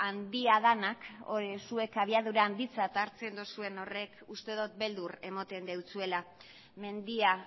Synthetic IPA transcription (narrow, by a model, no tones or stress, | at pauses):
and̪iaðanakoɾesue̞kaβ̞iaðuɾaːnd̪it͡sat̪aːɾt͡se̞nd̪usue̞no̞re̞kust̪e̞ðot̪̚be̞ld̪ure̞mot̪e̞nd̪e̞wt͡sue̞la | me̞nd̪ia